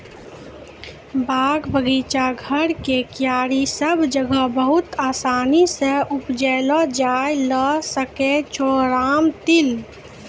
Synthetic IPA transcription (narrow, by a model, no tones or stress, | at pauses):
baːɡbəɡiːt͡ʃaɡʱəɾkekjaːɾisəbʱd͡ʒəɡəbəɦʊt̪aːsaːniseʔʊpd͡ʒɛːlɔd͡ʒaːjləsəket͡ʃɔːɾaːmt̪ɪl